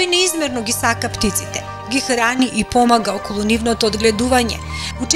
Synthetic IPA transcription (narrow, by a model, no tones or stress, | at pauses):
jnɛizmɛɾnɔɡisakapt̪it̪si̥t̪ɛ | ɡʲixɾaniʔipɔmaɡaɔkɔlˠunivnɔt̪ɔːd̪ɡlɛd̪uvaɲɛ̰ut͡ʃ